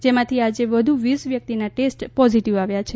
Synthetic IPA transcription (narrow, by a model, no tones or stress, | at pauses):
d͡ʒemãt̪ʰiad͡ʒeʋəd̪ʱuʋisʋjək̚t̪inaʈesʈpɔziʈiʋaʋjat͡ʃʰe